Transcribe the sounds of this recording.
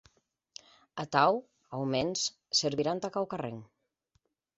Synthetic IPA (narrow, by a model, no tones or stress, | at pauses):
at̪aw | awmens | seɾβiɾant̪akawkarḛŋ